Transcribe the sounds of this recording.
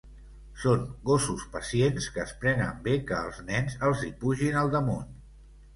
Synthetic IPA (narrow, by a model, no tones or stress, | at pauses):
soŋɡosuspəsienskəːspɾɛnə̰mbekəːlˠznɛnzəlˠzipuʒinəlˠd̪əmun